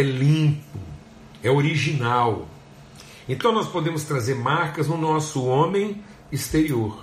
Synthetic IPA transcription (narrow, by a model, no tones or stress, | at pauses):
ɛlĩpʊ | ɛoɾiʒinaw | ẽt̪ɐ̃w̃nɔspod̪ẽmʊst̪ɾazeɾmaɾkɐznʊnɔsʊõmẽj̃ | ist̪eɾioɾ